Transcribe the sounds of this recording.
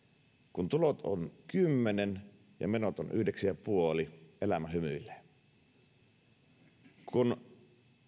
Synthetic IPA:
kunt̪ulot̪o̰nkymːenen | jɑ̰menot̪o̰nʔy̰hdeksijɑpuoliʔelæmæhymyilːe̥ | kʰun

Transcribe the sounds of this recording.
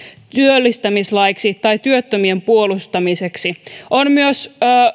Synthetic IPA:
t̪yølːist̪æmislɑjksit̪ɑjt̪yøt̪ːømiempuolust̪ɑmiseksiʔonmyøsː

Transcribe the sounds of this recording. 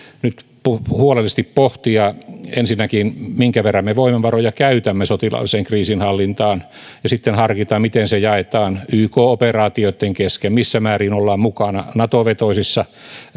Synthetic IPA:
nyt̪puhuolelːˑist̪ippoht̪iɑensinːækinmiŋkæʋerːɑmeʋoimeʋʋɑrojɑkæyt̪æmːesot̪ilɑ̰lːˑiseŋkriːsinhɑlːint̪ɑːn | jɑsit̪ːenhɑrkit̪ɑmit̪ensejɑet̪ɑːnyːkoːoperɑːt̪ioit̪ːeŋkeskemmisːæmæːriːnolːɑːmmukɑnɑ̰nɑt̪oʋet̪oisisːɑ

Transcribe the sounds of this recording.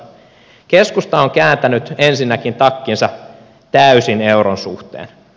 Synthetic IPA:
keskust̪ɑoŋkæːnt̪ænyt̪e̞nsinːækint̪ɑkːinsɑ | t̪æysineuɾonsṵht̪ḛːn

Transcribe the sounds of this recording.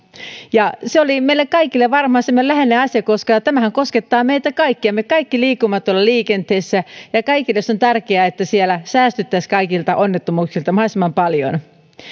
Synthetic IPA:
jɑseolimeilekkɑikilːeʋɑrmɑːsemːoelæhenˑeːɑsjɑkoskɑt̪æmæhæŋkosket̪ːɑːmeit̪ækɑikːiɑmːekɑikːiliːkːumːɑt̪ːolːɑliːkent̪eːsːæjɑkɑikilːesːont̪ærkeæet̪ːæsielæsæːst̪yt̪ːæskɑikilt̪ɑʔonːet̪ːomuːksilt̪ɑmɑhɑsimɑmpɑljo̰n

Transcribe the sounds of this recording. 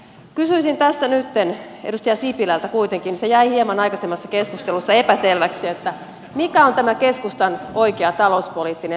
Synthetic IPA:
kysyisint̪æsːænyt̪ːen | edust̪ijɑsipilælt̪ækuit̪eŋkinisejæihiemɑnɑjkɑsemːɑsːɑkeskust̪elusːɑepæselʋæksiet̪ːæ | mikæont̪æmækeskust̪ɑno̞ikeɑt̪ɑlouspoliːt̪ːine

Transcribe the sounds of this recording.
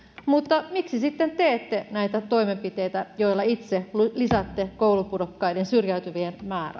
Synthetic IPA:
mut̪ːɑmiksisit̪ːent̪eːt̪ːenæjt̪æt̪o̞imempit̪ejt̪æjoilːɑit̪selisæt̪ːekoulupudokːɑidensyrjæyt̪yʋienmæːɾæ̰

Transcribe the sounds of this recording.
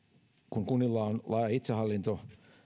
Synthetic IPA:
kuŋkunːilːɑonlɑɑit̪sehɑlːint̪o

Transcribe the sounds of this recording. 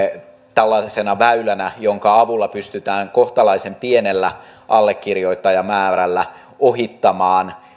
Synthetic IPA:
t̪ælːɑsenɑʋæylænæjoŋkɑɑʋulːɑpyst̪yt̪æːŋko̞ht̪ɑlɑisempienelːæ | ʔɑlːekːirjo̞it̪ːɑjɑmæːrælːæ | oɦit̪ːɑmɑːn

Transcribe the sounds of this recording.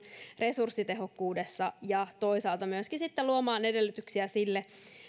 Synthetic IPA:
re̞sursːit̪e̞ɦo̞kːuːdesːɑjɑt̪o̞isɑːlt̪ɑmyøskisit̪ːeluomɑːnedelːyt̪yksiæsilːe

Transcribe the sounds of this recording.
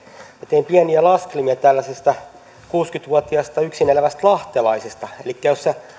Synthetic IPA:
set̪eimpiæniælɑskelimiɑt̪ælːæsest̪æ | kuːskyt̪ʋuɔt̪iɑst̪ɑyksinelæʋæst̪lɑht̪elɑisest̪ɑelikːæjosse

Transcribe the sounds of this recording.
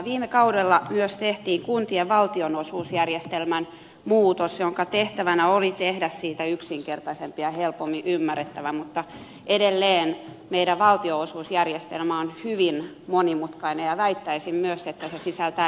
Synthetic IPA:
ʋiːmekɑudelːɑmyøst̪eht̪iːŋkunt̪ieʋʋɑlt̪ionosuːsjærjest̪elmæn | muːt̪osjoŋkɑt̪eht̪æʋænæolit̪ehdæssiːt̪æyksiŋkert̪ɑsempiɑhelpomːiʔymːærːet̪ːæʋæmut̪ːɑ | ʔedelːeːn | meiɾæʋʋɑlt̪ioosuːsjærjest̪elmæonhyʋin | monimut̪kɑinejɑʋæit̪ːæisimmyøset̪ːæsesisælt̪æ

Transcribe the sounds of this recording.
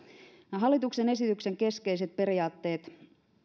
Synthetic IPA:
ɦɑlːit̪ukse̞nesit̪ykse̞ŋke̞skeijse̞t̪̚pe̞ɾiɑːt̪ːe̞ːt̪

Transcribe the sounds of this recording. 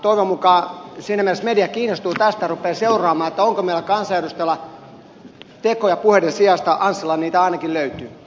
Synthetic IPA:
t̪oiʋomukɑːsiːnæmielesmediækiːnːˑost̪uːt̪æst̪ærupːˑeːseurˑɑːmɑːet̪ːæoŋkomeilækɑnsɑjeɾust̪elːɑ | t̪ekojɑpuhedesiɑst̪ɑʔɑnselːɑniːt̪æɑˑinɑkilløyt̪yː

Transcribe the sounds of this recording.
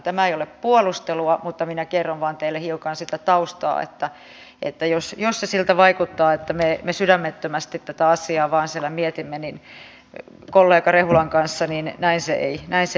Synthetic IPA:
t̪æmæeijoleppuolust̪eluɑmut̪ːɑminækerːonʋɑːnt̪eilːehiukɑnsit̪æt̪ɑust̪ɑ̰ːḛt̪ːæ | ʔḛt̪ːæjosjossesilt̪æʋɑikut̪ːɑːet̪ːæmemesydæmːet̪ːømæst̪it̪t̪æt̪æɑsˑiɑːʋɑːnsielːˑæmiet̪imːenin | kolːeːkɑrehulɑŋkɑnsːɑninnæinsḛʔeinæinse

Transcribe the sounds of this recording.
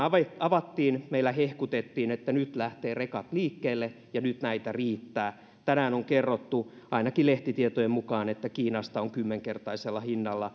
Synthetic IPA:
ʋeɑʋɑt̪ːiːnmeilːæhehkut̪et̪ːiːnet̪ːænyt̪læht̪eːrekɑt̪liːkːeːlːe | jɑnyt̪næit̪æriːt̪ːæː | t̪ænæːnoŋkerːot̪ːu | ɑinɑkileht̪it̪iet̪ojemmukɑːnet̪ːækiːnɑst̪ɑoŋkymːeŋkert̪ɑiselːɑhinːɑlːɑ

